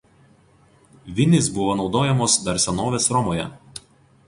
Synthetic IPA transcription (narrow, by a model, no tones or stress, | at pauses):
ʋʲɪnʲɪsbʊʋoːnɒʊd̪oːjɛmoːsd̪ɐɾsʲɛnoːʋʲeːsɾɔmoːjɛ